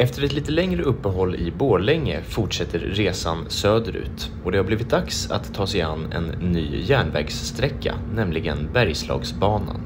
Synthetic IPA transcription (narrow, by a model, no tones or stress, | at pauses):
ɛft̪ʰəɾɛt̪liːt̪əlɛŋɾəɵpːəɦɔlːɪ̰boːɭɛŋːə̰fʊʈʂɛt̪ːəɾɾeːsansøːd̪əɾʉ̟̰ːt̪ɔd̪ɛhaɾbliːvɪt̪̚d̪aksa̰t̪ʰːɑːsɛa̰nːɛ̰nːy̰ːjæːɳvɛ̰ːɡsːt̪ɾɛkːa̰ | nɛmlɪɡənbæɾjslɑ̰ːɡsbɑːna̰n